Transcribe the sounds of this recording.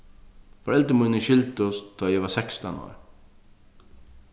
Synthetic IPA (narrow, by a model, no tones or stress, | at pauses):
fɔɾɛlt̪əmʊjnəʃɪlt̪ʊst̪ʰɔːjɛʋasɛkst̪a̰nɔ̰ːɹ